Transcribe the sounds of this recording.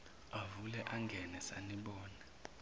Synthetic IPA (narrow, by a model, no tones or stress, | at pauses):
avulɛʔaŋɡʱɛnɛsaniɓɔːna